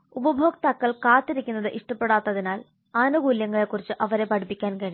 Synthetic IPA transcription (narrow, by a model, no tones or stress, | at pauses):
ubɐbʱo̞ːɡt̪ɐkːɐɭkaːt̪ːiɾikʲːunːɐðɨʔiʂʈɐpːe̞ɽaːt̪ːɐðinaːl | aːnuɡuːljɐŋːɐɭe̞kːurit͡ɕːɨʔɐʋɐɾe̞pɐɽipːikʲːaːnkɐɻi